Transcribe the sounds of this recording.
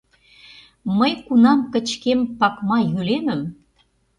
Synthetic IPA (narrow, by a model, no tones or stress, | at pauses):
məjkunɑmkə̆t͡ɕkempɑkmɑjylemə̆m